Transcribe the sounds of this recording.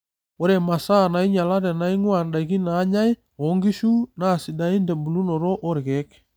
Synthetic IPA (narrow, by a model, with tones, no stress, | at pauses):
o˦ɾe˨ma˨sa˦˨na˨i˦ɲa˨la˦ɾɛ˨na˨i˦ŋwa˨nda˨i˨ɣi˦naː˨˦ɲa˦i˦ | o˨˦ŋɡi˦ʃu˦na˦˨si˨da˨˦i˦nde˨bu˨lu˦no˨ɾo˦ʔo˦ɾɪ˨ɣe˨˦k